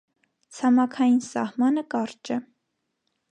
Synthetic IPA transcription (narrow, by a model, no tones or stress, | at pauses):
t͡sʰɑmɑkʰɑjinsɑ̰hmɑnəkɑɾt͡ʃɛ